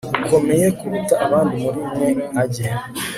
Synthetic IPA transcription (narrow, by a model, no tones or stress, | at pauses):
ukʰo̞me̞je̞kuɾutaʔːβaːndimuɾiːmŋe̞aɟe